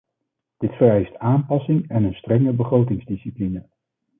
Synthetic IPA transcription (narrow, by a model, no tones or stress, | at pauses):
d̥ɪtfərɛjstaːmpɑsɪŋɛnənstrɛŋəbəχrowtɪŋzdisiplinə